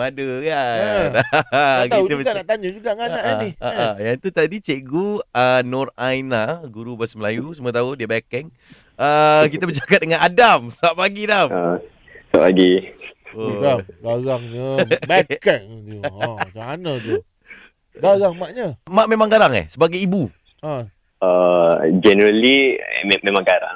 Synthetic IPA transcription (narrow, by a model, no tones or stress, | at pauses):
madəka | kt̪ait̪əbəanaʔt̪aɲəd͡ʒuɡaʔŋaaʔaniaʔəjaŋt̪ut̪adit͡ʃeʔɡuənɔrajnaɡuɾubasəməlajusəmət̪̬audiəbɛkɛŋ | ək̬it̪əbəd͡ʒakat̪̚dəŋanadamsəbap̚aɡidama | sba̰p̚aɡi | oaɡaɣaŋɲabɛkɛŋud͡ʒanat̪u | ɡaɣaŋmaʔɲəmãʔmẽmãŋɡaɾaŋɛ̰hsəbaɡajibu | a | əd͡ʒɛnəɾəlimẽmãŋɡaɾa̰ŋ